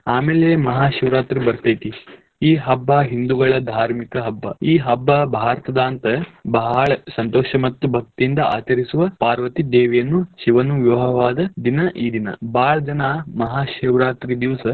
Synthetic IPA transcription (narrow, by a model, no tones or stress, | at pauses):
aːmeːlemɐɦaːʃiʋɾaːt̪ɾibɐɾt̪ɐjt̪i | iːɦɐbːaːɦind̪uɡɐɭɐd̪ʱaːɾmikɐɦɐbːɐ̰iːɦɐbːɐbʱaːɾɐt̪ɐd̪aːnt̪ɐbɐɦaɭɐsɐnt̪ɔːʃɐmɐt̪ːubʱɐk̚t̪iind̪ɐa̰ːt͡ʃɐɾisuʋɐpaːɾʋɐt̪id̪eːʋijɐnːuʃiʋɐnuʋjuɦɐʋaːd̪ɐd̪inɐʔiːd̪inɐ̰baːɭɐd͡ʒɐnaːmɐɦaːʃiʋɾaːt̪ɾid̪iʋsɐ